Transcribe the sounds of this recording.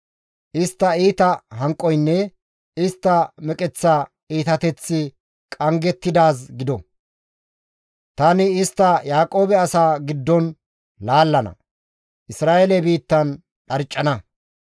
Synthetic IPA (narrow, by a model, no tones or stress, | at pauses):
ʔɪst̪ːɐiːt̪ɐɦɐŋkʼːɔjnːɛ | ɪst̪ːɐmɛkʼɛt͡sːa | iːt̪ɐt̪ɛt͡sːɪ | kʼɐŋɡɛt̪ːɪd̪aːsɡɪd̪ɔ | t̪ɐnɪɪst̪ːɐjaːkʼo̞ːbɛɐsaːɡɪd̪ːɔn | laːlːɐnɐ̰ | ʔɪsɾaːjelɛbiːt̪ːɐn | ɗɐɾt͡ʃʼːɐnɐ